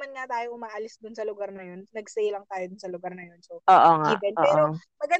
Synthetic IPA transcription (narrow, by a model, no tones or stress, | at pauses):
mɐnŋat̪aːjoʔʊmaːʔɐlɪsd̪ʊnsɐlʊɡɐɾnɐjo̞nːɐɡsɛjlɐŋt̪aːjod̪ʊnsɐlʊɡɐɾnɐjo̞nsooːʔoŋaibɛno̰ɛːʔɾomɐɡɐ